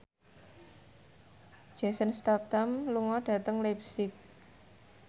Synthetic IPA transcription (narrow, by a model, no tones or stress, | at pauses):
d̥d͡ʒ̥a̤sənst̪ap̚t̪amluŋɔɖ̥ä̤t̪əŋlɛpsɪk̚